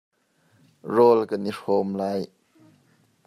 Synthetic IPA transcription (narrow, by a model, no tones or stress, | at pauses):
rɔlkəniʂɔmlaj